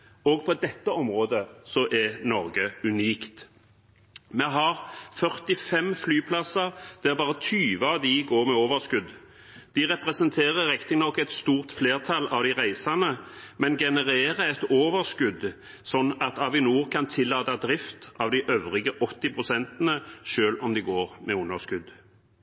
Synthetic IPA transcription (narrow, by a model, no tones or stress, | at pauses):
oɡ̚pʰɔd̪ɛt̪ːəɔmʁoːd̪əsɔʔɛnɔʁɡəʉniːkt̪ | mɛɦɑʁfœʁt̪ɪfɛmflyːpʰlɑsəʁd̪̥ɛæʁbɑːʁət̪ʰyːʋəɑʋd̪ɪɡoːʁmɛoːʋəʁskʉd̪ | d̪̥ɪʁɛpʁɛsɛnt̪ʰeːʁəʁɪkt̪ɪŋnɔkːɛt̪st̪uːʁt̪fleːʁt̪ʰɑlːɑʋd̪ɪʁæɪsɑnəmɛnɡɛnəʁeːʁəɛt̪oːʋəʁskʉd̪ | sɔnːɑt̪ɑʋɪnuːʁkʰɑnt̪ʰɪlːɑːt̪ɑd̪ʁɪft̪ɑʋd̪ɪʔøʋʁɪɡəʔɔt̪ːɪpʰʁʊsɛnt̪ənəʃøːlɔmd̪ɪɡoːʁmɛʊnəskʉd̪